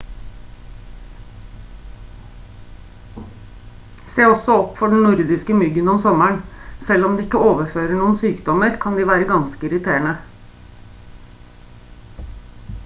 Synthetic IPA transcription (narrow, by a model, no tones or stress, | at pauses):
seːɔsɔɔpːfɔɖɳ̩nʊɾd̪ɪskəmʏɡənɔmsɔmæɳsɛlɔmd̪iːɪkːəoːʋəføːɾəɳuːənsyːkd̪ɔməɾkʰɑnd̪iːʋæːɾəɡɑnskəɪɾɪt̪ʰeːɳə